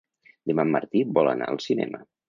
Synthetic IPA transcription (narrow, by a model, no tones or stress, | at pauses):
d̪əmamːəɾt̪ibɔlˠənaəlˠsinɛ̰mə